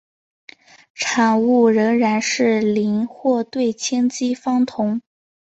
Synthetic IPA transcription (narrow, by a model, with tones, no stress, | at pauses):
ʈ͡ʂʰɑ˨˩ŋu˥˩ɻə˧˥ŋɻa˧˥nʂɻ̩˥˩li˧˥nxwɔ˥˧t̪we˥˩ɪt͡ɕʰjɛ˥nt͡ɕi˥fɑ˥ŋt̪ʰʊ˧˥ŋ